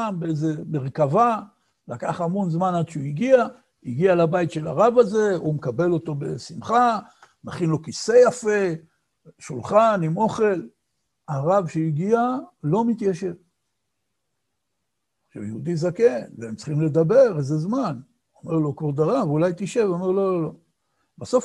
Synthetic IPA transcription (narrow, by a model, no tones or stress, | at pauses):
mbeejzemeʁkava | lakaχamo̞nzmanad̪ʃeuiɡia | iɡialabajit̪ʃe̞la̰ʁavaze̞umekabe̞lo̞t̪o̞be̞̰simχa | maχinlo̞kise̞jafe̞ | ʃulχanimo̞χe̞l | aʁavʃeiɡialo̞mit̪jaʃe̞v | χʃavjeud̪izake̞nveemt͡sχimle̞d̪abe̞ʁezezman | ome̞ʁlo̞kod̪aʁavulajt̪iʃe̞vome̞ʁlo̞lolo̞ | baso̞f